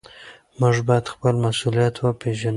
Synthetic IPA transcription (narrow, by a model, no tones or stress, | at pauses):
məʐbɑjad̪xpəlmasulijat̪wapeʒan